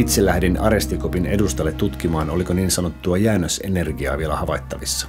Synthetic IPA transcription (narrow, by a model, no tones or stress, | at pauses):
it̪selːæhdinɑ̰ɾe̞st̪ikopine̞dust̪ɑlːet̪ːut̪k̟imɑːno̞liko̞niːnsɑno̞t̪ːuɑjæːnːøse̞ne̞rɡiɑ̰ːʋielæhɑʋɑjt̪ːɑʋisːɑ̥